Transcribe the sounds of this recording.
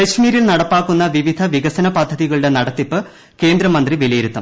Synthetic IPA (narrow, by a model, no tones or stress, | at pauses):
kɐɕmiːɾilnɐɽɐpːaːkːunːɐʋiʋid̪ʱɐʋiɣɐsɐnɐpɐd̪ʱːɐðiɣɐɭuɽe̞nɐɽɐt̪ːipːɨ | ke̞ːnd̪ɾɐmɐnd̪riʋilɐjiɾut̪ːɐm